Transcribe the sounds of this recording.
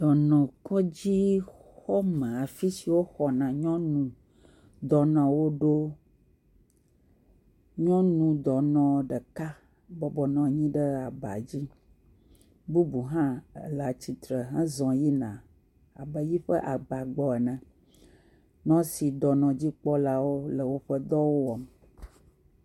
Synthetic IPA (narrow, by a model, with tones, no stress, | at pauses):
d̪ɔ˨nɔ̃˨kɔ˦d͡ʑi˦xɔ˦mə̃˨a˨fi˦si˨wo˦xɔ˨nã˨ɲɔ̃˦nũ˨ | d̪ɔ˨nɔ̃˨wo˦ɖo˦ | ɲɔ̃˦nũ˨d̪ɔ˨nɔ̃˨ɖə˨ka˦ | bɔ˨bɔ˨nɔ̃˨ɲĩ˦ɖə˦a˨ba̰˨d͡ʑi˦ | bu˦bu˨ɦã˦ə̰˨la˨t͡ɕi˨t̪ɾə˨ɦɛ̃˦zɔ̃˨ji˦nã̰˨ | a˨bə˨ji˦ɸə̰˦ʔa˨ɡ͡ba˨ɡ͡bɔ˨ɛ˨nɛ̃˨ | nɔ̃˦si˨d̪ɔ˨nɔ̃˨d͡ʑi˦k͡pɔ˦la˦wo˦lə˨wo˦ɸə˦d̪ɔ˦wo˦wɔ˨m